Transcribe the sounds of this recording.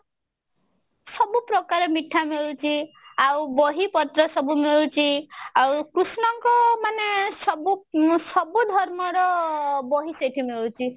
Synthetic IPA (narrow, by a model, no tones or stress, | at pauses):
sɔbupɾɔkaɾemiʈʰːameɭut͡ʃʰi | awbɔɦipɔt̪ɾɔsɔbumeɭt͡ʃʰiawkɾusnɔŋkɔmanesɔbusɔbud̪ʱɔɾmɔɾɔbɔɦiseʈʰimeɭut͡ʃʰi